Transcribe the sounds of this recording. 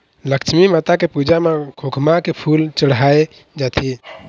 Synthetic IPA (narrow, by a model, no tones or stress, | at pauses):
ləkt͡ʃʰmimat̪akepud͡ʒamekʰokʰmakepʰult͡ʃəɽ̤ae | d͡ʒat̪ʰi